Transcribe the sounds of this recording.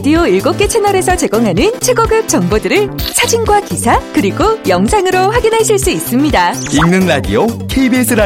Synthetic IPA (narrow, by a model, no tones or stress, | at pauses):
dioiɭɡop̚k͈e̞t͡ɕʰenʌɾe̞sʰʌt͡ɕe̞ɡoŋɦanɯnt͡ɕʰe̞ɡʌɡɯp̚t͡ɕ͈ʌŋbodɯɾɯɭsʰad͡ʑinɡwakisʰakɯɾiɡojʌŋsʰaŋɯɾoɸwaɡinɦaɕʰiɭs͈uis͈ɯmɲidaiŋnɯŋɾadḭokʰeibesʰɯɾa